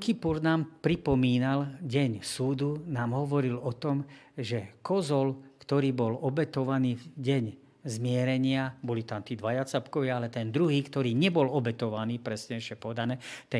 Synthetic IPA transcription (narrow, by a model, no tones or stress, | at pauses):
kipuɾnaːmpɾipɔmiːnalɟɛɲsuːd̪unaːmɦɔʋɔɾilɔt̪ɔmʒɛkɔzɔlkt̪ɔɾiːbɔlɔbɛt̪ɔʋaniːvɟɛɲ | zmɪɛɾɛɲɪabɔlit̪amt̪iːd̪ʋajat͡sapkɔʋɪaalɛt̪ɛnd̪ɾuɦiːkt̪ɔɾiːɲɛbɔlɔbɛt̪ɔʋaniːpɾɛsɲɛʃɪɛpɔɛd̪anɛːt̪ɛ